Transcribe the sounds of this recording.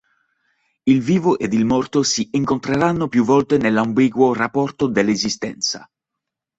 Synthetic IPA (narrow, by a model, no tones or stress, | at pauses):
ilviːvoʔed̪ilmɔrt̪osiiŋkont̪ɾeɾanːopjuvːɔlt̪enelambiːɡworapːɔrt̪od̪elːezist̪ɛ̰nt̪sa̰